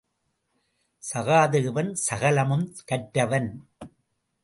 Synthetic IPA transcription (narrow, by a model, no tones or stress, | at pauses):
sɐɣaːðɯɣɯʋɐnsɐɣɐlɐmɯmkɐʈːɐʋɐn